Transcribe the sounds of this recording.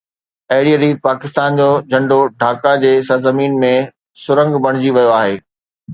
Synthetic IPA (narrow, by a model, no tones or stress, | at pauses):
ɐɦɪɽiəɾiːt̪̚paːkɪst̪aːnd͡ʑoːd͡ʑʱɐ̃ɳɖoɖʱaːkad͡ʑeːsɐɾzɐmiːnmẽ | sʊɾə̃ŋɡbɐɽ̃ɪd͡ʑiʋɐjoaːɦeː